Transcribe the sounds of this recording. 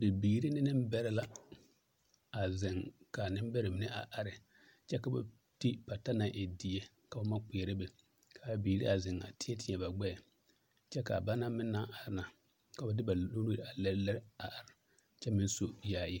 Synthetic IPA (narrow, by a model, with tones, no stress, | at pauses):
be˨bi˨ɡɾi˦nɪ˦nɪ˦m˦bɛ˦ɾɪ˦la˦ | a˨zɪ˨ŋka˨nɪ˦m˦bɛ˦ɾɪ˨mɪ˨nɪ˦ʔa˨ʔa˨ɾɪ˨ | t͡ʃɛ˦ka˨ba̰˨ | ti˦pa˨ta˦na˨ʔɪ˨di˨e˦ | ka˨ba˦ma˦k͡pe˨ɾɪ˦bɛ˨ | kʰa˨ba˨bi˨ɾḭ˦a˨zɪ˨ŋa̰˨tɪ˦ɛ˦tɪ˨ɲɛ˨ba˨ɡ͡bɛ˦˨ | t͡ʃɛ˦ka̰˨ba˦na˦mɪ˦nːa˦ʔa˨ɾɪ˦na˨ | ka˨ba˨dɪ˦ba˨˦lo˦nu˦ɾa˨lɛ˦ɾlɛ˦ɾɪ˦a˨ʔa˨ɾɪ˨ | t͡ʃɛ˦mɪ˦n˦so˦jaː˨jɪ˦